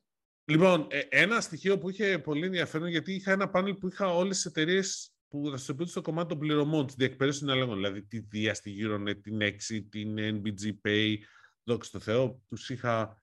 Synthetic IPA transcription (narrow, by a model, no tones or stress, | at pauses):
lipo̞neʔe̞nɐst̪içio̞puiçe̞po̞lie̞nðiɐfe̞ɾonʝɐt̪iːxɐe̞nɐpɐne̞lpuixɐo̞lesi̥se̞t̪e̞ɾie̞s | put̪ɐsit̪o̞piund̪estoko̞mɐt̪it̪opliɾo̞mo̞nt̪izðiek̚pe̞ðesinelɐɣo̞nðilɐðit̪iðiɐst̪iʝiɾo̞net̪ːine̞ksit̪inenbid͡zipejðo̞kse̥t̪o̞θe̞o̞t̪usixɐ